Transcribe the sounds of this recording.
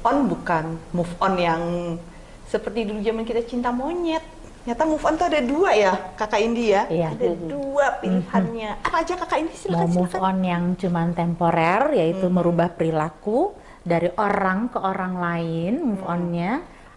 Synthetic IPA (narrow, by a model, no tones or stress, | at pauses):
ɔnbukanmufɔnjaŋ | səpərt̪iduɾud͡ʒamankit̪at͡ʃint̪amoɲɛt̪̚ | ɲat̪amufɔnt̪uadaduajakakaindiajaadaduapilhanɲaʔapaːd͡ʒakakaindisilammufɔnjaŋt͡ʃumant̪ɛmpoɾɛrjait̪uməɾubahpəɾilaku | daɾiʔoɾaŋkəʔoɾaŋlaɪnmufɔnɲa